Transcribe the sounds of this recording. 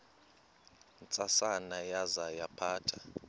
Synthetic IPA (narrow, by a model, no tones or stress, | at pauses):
nt͡sʼasanajazajapʰaːtʰa